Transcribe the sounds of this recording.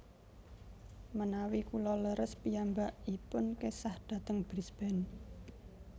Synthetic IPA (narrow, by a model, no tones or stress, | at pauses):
mənawikulɔləɾəspiambaʔipʊnkesahd̥ä̤t̪əŋb̥ɾisb̥ɛn